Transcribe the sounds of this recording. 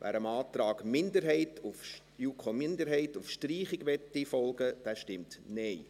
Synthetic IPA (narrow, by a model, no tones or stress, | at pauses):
ʋʔæ̰ːɾəmɑːtɾɑːɡmɪndəɾɦɛɪtʰuf | juːkʰomɪndəɾɦɛɪtufʃtriːχɪɡʋɛtːifɔlɡəd̥æːʃtɪmtnɛɪ